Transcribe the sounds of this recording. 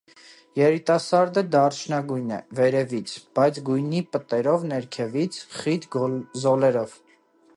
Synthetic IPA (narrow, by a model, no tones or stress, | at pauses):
jɛɾit̪ɑsɑɾd̪əd̪ɑrt͡ʃʰnɑɡujnɛ̰vɛɾɛvit͡sʰb̥ɑjt͡sʰɡujnipət̪ɛɾɔvnɛɾkʰɛvit͡sʰχit̪ɡzɔlɛɾɔv̥